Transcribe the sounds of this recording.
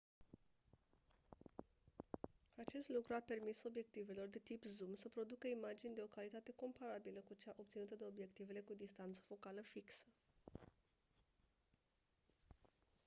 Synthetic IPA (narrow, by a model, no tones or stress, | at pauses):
at͡ʃe̞st̪lukɾuape̞rmiso̞bje̞kt̪ive̞lo̞rd̪e̞t̪ipzumsəpɾo̞d̪ukəimad͡ʒinʲd̪e̞o̞kalit̪at̪e̞ko̞mpaɾabiləkut͡ʃaʔo̞pt̪sinut̪əd̪e̞o̞bje̞kt̪ive̞le̞kud̪ist̪ant̪sə̥fo̞kaləfiksə